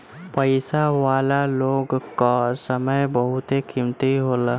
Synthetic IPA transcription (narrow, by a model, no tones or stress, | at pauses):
pəɪsaʋaːlaloːɡkasəməjbəɦʊt̪ekʰɪmt̪iɦoːlaː